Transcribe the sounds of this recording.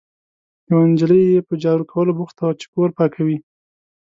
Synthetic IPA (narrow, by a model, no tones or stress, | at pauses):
jawand͡ʒələjjepəd͡ʒɑɾukʰawəlobuxt̪at͡ʃe̥koɾpɑkʰawi